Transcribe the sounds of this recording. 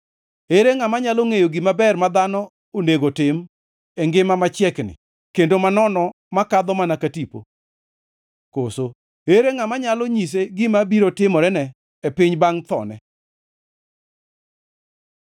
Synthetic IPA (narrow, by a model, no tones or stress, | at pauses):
eɾeŋamaɲaloŋejoɡimabɛrmad̪anɔ | oneɡotɪm | ɛŋɡɪmamat͡ʃjɛknɪ̰ | kendomanɔnɔ | makad̪ɔmanakatipo̰ | koso | eɾeŋamaɲalɔɲis̬eɡɪmabiɾotɪmɔɾɛnɛː | pɪɲbaŋt̪ɔ̰nɛ